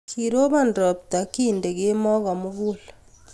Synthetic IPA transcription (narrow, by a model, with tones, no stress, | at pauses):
kʰiɾo˦βa˨ndɔ˨p̚ta˨kiː˦nde˨ɣe˦mɔ˦ɣɔ˨mo˦ɣul